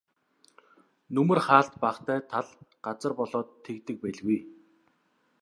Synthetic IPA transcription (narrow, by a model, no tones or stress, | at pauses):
nɵmɵ̆rχaːɬt̪paːχt̪æːt̪ʰaɮɢ̥at͡sə̆rpɔɮɔːt̪ʰːekt̪ɘ̆k̚pæɮɣuj